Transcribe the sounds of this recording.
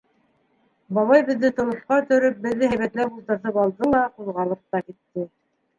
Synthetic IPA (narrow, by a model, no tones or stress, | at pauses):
bɑlˠɑjbɘ̆ðːɘt̪ŏlˠŏsqɑɵ̆t̪ɵ̆ɾɵp̚bɘ̆ðːɘɦæjβæt̪læult̪ɤ̆ɾθɤpɑlˠd̪ɤlˠɑqulˠʁɑlˠɤq̚t̪ɑkit̪ːɘ